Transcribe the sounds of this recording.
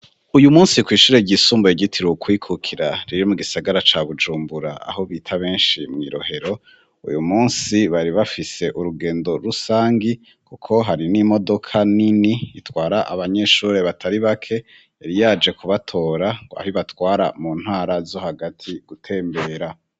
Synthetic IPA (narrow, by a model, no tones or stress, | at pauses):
ujumuːnsikwiːʃuːɾeɟisuːmbjiɟitʰiɾokwiːkʰukʰiɾaɾiɾomuɡisaɡaɾat͡ʃaβud͡ʒuːmbuɾa̰a̰ho̞βiːtʰaβe̞ːnʃimŋḭːɾo̞̰ɦe̞ɾo̞ | ṵjumuːnsiβaɾiβafise̞ʔuɾuɡe̞ːndo̞ɾusaːŋɡi | kukʰo̞ɦaɾinimo̞do̞kʰaniniitwaːɾaʔa̰βaɲe̞ʃuːɾe̞βatʰaɾiβakʰe̞ | eɾijaːd͡ʒe̞kʰuβatʰo̞ːɾaa̰hiβatwaːɾa̰muːn̥haːɾazo̞haɡatʰiɡ̥utʰe̞ːmbe̞ːɾa